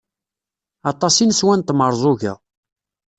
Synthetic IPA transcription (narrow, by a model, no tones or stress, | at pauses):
ɑt̪ˤːɑsinswænt̪məɾˤzˤʊʝæ̰